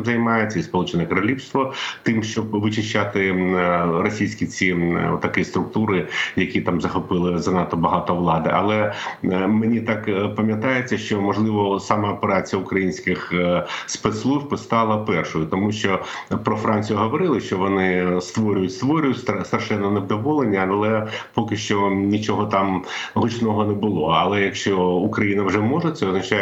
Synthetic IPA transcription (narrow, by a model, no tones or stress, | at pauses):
zɐjmɑjet͡sʲːɐispɔlˠut͡ʃɪnɛkɐɾɐlʲiwst̪ʋɔt̪ɪmʃt͡ʃɔbʋɨt͡ʃɪʃt͡ʃːat̪ɪ | rɔsʲijsʲkʲit͡sʲḭt̪ːɐkɪst̪ɾʊk̚t̪uɾɪjɐkʲit̪ɑmzɐxɔpɪlˠɪzɐnɑt̪ɔbɐɦɑt̪ɔʋlˠɑd̪ɪʔɐ̰lˠɛ | menʲit̪ɑkpɐmʲjɐt̪ɑjet͡sʲːɐʃt͡ʃɔmɔʒlˠɪʋɔsɑmɑɔpeɾɑt͡sʲijɐʊkɾɐjinʲsʲkɪxspɛt̪slˠuʒpɪst̪ɑlˠɐpɛrʂʊjʊt̪ɔmuʃt͡ʃɔ | pɾɔfɾɑnʲt͡sʲijʊɦɔʋɔɾɪlˠɪʃt͡ʃɔʋɔnɪst̪ʋɔɾʲʊjʊtʲst̪ʋɔɾʲʊjʊtʲst̪st̪ɐrʃɛnːɔneʋd̪ɔʋɔlˠenʲːɐɐlˠɛpɔkɪʃt͡ʃɔnʲit͡ʃɔɦɔt̪ɑmɦʊt͡ʃnɔɦɔnɛbʊlˠɔɐlˠɛjɐkʃt͡ʃɔukɾɐjinɐwʐɛmɔʐɛt̪sɛɔznɐt͡ʃa